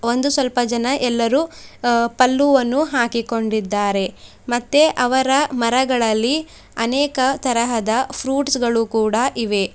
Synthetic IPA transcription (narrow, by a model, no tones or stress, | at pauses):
o̞nd̪usʋɐlpɐd͡ʒɐnɐʔɛlːɐɾuːpɐlːuʋɐnːuɦaːkiko̞ɳɖid̪ːaːɾe̞ | mɐt̪ːeʔɐʋɐɾɐmɐɾɐɡɐɭɐlːi | ɐnɛːkɐt̪ɐɾɐɦɐd̪ɐpʰɾuːʈsɡɐɭukuːɽɐʔiʋe̞